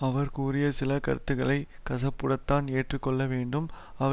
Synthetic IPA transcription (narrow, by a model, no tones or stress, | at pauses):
ɐʋɐɾkuːrɪjɐsɪlɐkɐ̰ɾɯt̪ːɯɣɐɭɐɪ | kɐsɐpːɯɽɐt̪ːaːneːʈrɯkːɔɭːɐʋeːɳɖɯm | ɐʋɐ